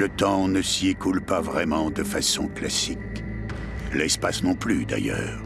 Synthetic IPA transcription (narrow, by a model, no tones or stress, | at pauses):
lət̪ɑ̃nəsiekulpavʁɛmɑ̃d̪əfasɔ̰̃klasik | lɛspasnɔ̃plyd̪a̰jœ̰ːʁ